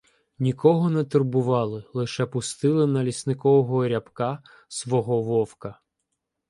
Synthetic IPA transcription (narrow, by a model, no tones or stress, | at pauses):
nʲikɔɦɔnɛt̪erbʊʋɑlˠɪlˠɪʃɛpʊst̪ɪlˠɪnɐlʲisnɪkɔʋɔɦɔːɾʲɐpkɑ | sʋɔɦɔʋɔwkɐ